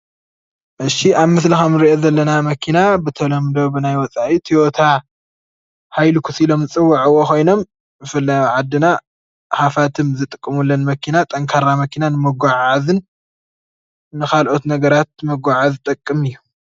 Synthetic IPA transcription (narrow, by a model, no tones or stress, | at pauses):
ʔɨʃiʔaβmɨslixamɾiʔo̞zɐlːɐnamɐkʰinabɨt̪ʰɐlɐmd̪o̞bɨnajwɔt͡sʼaʔit̪ʰiwot̪ʰa | hajlukʰusilo̞mzɨt͡sʼɨwːaʕɨwːokʰo̞jno̞m | zɨfɨlːajuʕad̪ːɨna | hafat̪ʰɨmzɨt̪ʼɨkʼːɨmulːɐnmɐkʰinat̪ʼɐŋkʰaɾamɐkʰinanɨmɐɡʷaʕazɨn | ɨkʰalʔo̞t̪nɐɡɐɾat̪̚mɐɡʷaʕazt̪ʼɐkʼːɨmɨjːu